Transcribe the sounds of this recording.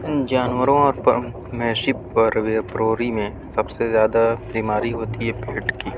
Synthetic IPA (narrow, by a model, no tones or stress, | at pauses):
d͡ʒaːnwəɾõɔːɾ | mɛːʃi | ɾʋepɾoːɾimẽ | sɐbsezjaːd̪abiːmaːɾiɦoːt̪iɦɛpeːʈkiː